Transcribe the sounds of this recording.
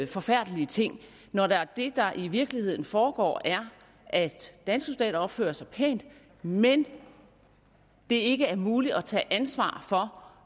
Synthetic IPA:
fɒ̽fæɐ̰d̥əliət͡sʰe̝ŋ̰ | nɒɾ̥eæɐd̥e̝d̥ɑ̈ʔiʋiɐɡ̥lihe̝ð̞̰ˠn̩fɒːɡ̥ɒ̰ːæɐ | ʔæ̥ænsɡ̥əsold̥ɛ̰ːɾɐɒ̽b̥fø̰ːɐsɑ̈ɪpʰɛ̰ːnd̥ | men | d̥e̝e̝ɡ̥əæɐmuːliɒt͡sʰɛ̰ːʔænsʋɑ̰̈ːfɒ̽

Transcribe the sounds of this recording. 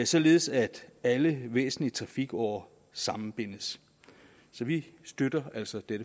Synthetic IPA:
sɒ̽le̝ð̩ˠsæd̥æləʋḛːsn̩liət͡sʰʁɑ̈fiɡ̥ɒ̰ɐ | sɑ̈mn̩b̥e̝n̰əs | sɒ̽ʋisd̥ød̥ɐæl̰sɒ̽d̥eɾə

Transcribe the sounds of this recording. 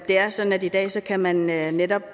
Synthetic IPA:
d̥e̝æɐsɒ̽d̥n̩ædid̥ɛ̰ːsɒ̽kʰæmænøːeɾɒ̽b̥

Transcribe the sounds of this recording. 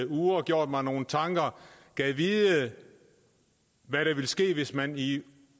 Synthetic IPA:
uːɐɡ̥jo̝ɐ̰d̥mɑnːo̝ːn̩t͡sʰɑ̈ŋɡ̥ɐɡ̥ɛʋiːðˠə | ʋæɾ̥ʋe̝lsɡ̥e̝̰ːʋe̝smæni

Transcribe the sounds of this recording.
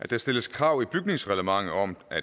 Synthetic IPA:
ʔæd̥æsd̥e̝ləskʰʁɑ̈ʊ̰ib̥yɡ̥̚ne̝ŋsʁɛləmɑ̈ŋ̰ð̩ɒ̽mʔæ

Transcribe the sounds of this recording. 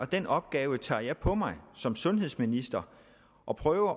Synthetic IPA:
ɒ̽d̥enɒ̽b̥ɡ̥ɛːʊət͡sʰɑ̰̈ːjɑ̈ɪpʰɒ̽mɑ̈ɪsɒ̽msɔ̽nɦe̝ðˠsminisd̥ɐ | ʔɒ̽pʰʁœːʊɐ

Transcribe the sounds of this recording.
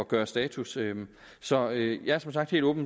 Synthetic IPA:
ɒɡ̥ɶːɐsd̥ɛːt͡sʰusø | sɒ̽øjɑ̈æɐsɒ̽msɑ̈ɡ̥d̥he̝ːl̥ɔ̽ːb̥n

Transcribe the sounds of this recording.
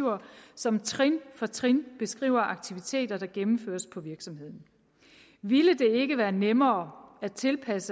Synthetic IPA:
ʊɐsɒ̽mt͡sʰʁinfɒ̽t͡sʰʁinb̥e̝sɡ̥ʁḭːʊ̰ɐʔɑ̈ɡ̥̚t͡sʰiʋit͡sʰe̝̰ːd̥ɐd̥ɑ̈ɡ̥emm̩føːɐspʰɒ̽ʋiɐɡ̥sɒ̽mhe̝ð̰ˠn̩ | ʋiləd̥e̝e̝ɡ̥əʋæːɐnemɐːæt͡sʰe̝lpʰæsə

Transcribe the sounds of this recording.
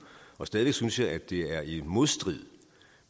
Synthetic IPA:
ɒ̽sd̥ɛːðˠʋeɡ̥synsjɑ̈ɪʔæd̥e̝æɐimo̝ðˠsd̥ʁið̰ˠ

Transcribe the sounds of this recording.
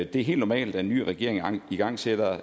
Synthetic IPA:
d̥eæɦe̝̰ld̥nɒmɛ̰ːld̥æenːy̰ːʁɛɡ̥e̝ɐ̰eŋiɡ̥ɑ̈ŋ̰sed̥ɐ

